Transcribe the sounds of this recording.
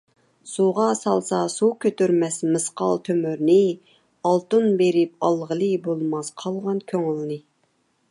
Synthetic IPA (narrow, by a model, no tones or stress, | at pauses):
suʁɑsɑlˠsɑsukʲʰøt̪yɾmɛsmɨsqɑ̰lˠt̪ʰømyɾnɨ | ɑlˠt̪unbeɾɪp̚ɑlˠʁəlˠɨbolˠmɑsqʰɑlˠʁɑnkʲʰøŋylnɨ